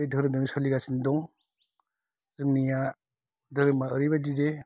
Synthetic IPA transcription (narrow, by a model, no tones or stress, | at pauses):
ijdʱɯɾɯmdɔŋisɔliɡasindɔŋ | zɯŋnija | dɯɾɯmaəɾiβadide